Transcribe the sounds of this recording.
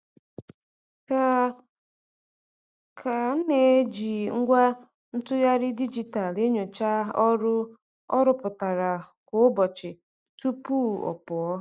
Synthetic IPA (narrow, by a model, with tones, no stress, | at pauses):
kʰa˨n̩˦ne˨e˦d͡ʒi˨ŋ̩˦ɡʷa˦ | n̩˦tʊ˦ja˦ɾɪ˦di˦d͡ʒi˨ta˨le˦ɲo˨t͡ʃa˦ɔ˦ɾ | ɔ˦ɾʊ˦pʊ˨ta˨ɾa˨kʊ˨ʊ˦bɔ˨t͡ʃɪ˨ | tu˦pu˦ɔ̰˨pʊ˨ɔ˦